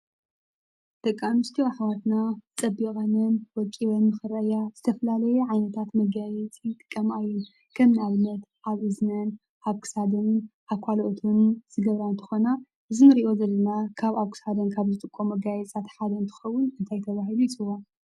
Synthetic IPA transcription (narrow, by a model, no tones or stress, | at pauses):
d̪̥ɐkʼːamɨst̪ʰiaħwat̪nat͡sʼɐbikʼanɨnwɔkʼːiβɐnːɨxɨɾɐʔɨjaz̥ɨt̪ʰɐfɐlalɐjɛʕajnɐt̪ʰat̪mɐɡajɛt͡sʼit̪ʼɨkʼːɐmaɨjːu | kʰɐmnalmɐt̪ | aβɨznɐn | ʔaβkʰɨ̥sad̪ɨnʔaβkʰʷaloʔot̪ʰunz̥ɨɡɐβɾant̪ʰɨ̥xona | ʔɨzimɨɾiʔo̞zɐlːɐnakʰaβaβkʰɨ̥sad̪ɐnkʰaβzɨt̪ʼɨkʼːomːɐɡajɛt͡sʼat̪ħad̪ɐnt̪ʰɨ̥xɐwʊnɨnt̪ʰajt̪ʰɐβaɦilujit͡sʼɨwon